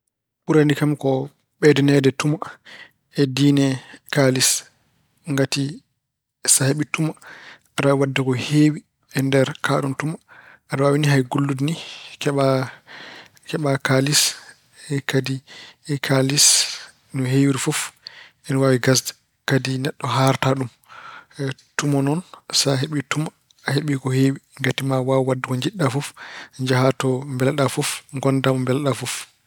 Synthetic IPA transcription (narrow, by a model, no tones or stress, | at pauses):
ɓuɾandikamkɔ | ɓɛdɛnɛdɛtuma | ʔɛdinɛkalis | ŋɡati | saheɓituma | aɗawadːɛkɔheːwi | ɛndɛɾkaɗɔntumaadawawiniɦajɡulːudnikɛɓa | kɛɓakalis | ɛkadikʰalis | nuɦejiɾifɔf | ɛnɔwawiɡas̬dɛ | kadinɛɗːɔɦaɾtaɗum | tumɔnɔnsaɦeɓitumaː | heɓikɔhewiŋɡatimawawwadːukɔɲd͡ʒiɗːafɔfɲd͡ʒaɦatɔmbɛlɗafɔfŋɡɔndamɔmbɛlɗafɔf